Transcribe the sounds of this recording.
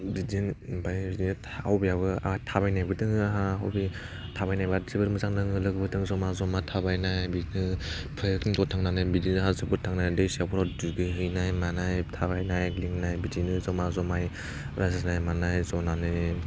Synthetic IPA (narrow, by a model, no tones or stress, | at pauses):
dizinbajbidinɯtʰawbiaβɯatʰabajnajbɯtɯŋaɦaɦa̰wbi | tʰabajnajbazɯbɯɾmɯzaŋnɯŋɯlɯɡɯbɯtʰɯŋzɔmazɔmatʰabajnajbidinɯ | pʰɯjkntɔtʰaŋnanɯbidinɯɦazɯbɯɾtʰaŋnadejsiapʰɔɾadiɡɯɦɯjnajmanajtʰabajnajliŋnajbidinɯzɔmazɔmaj | ɾasɯsnajmanajzɔnanɯ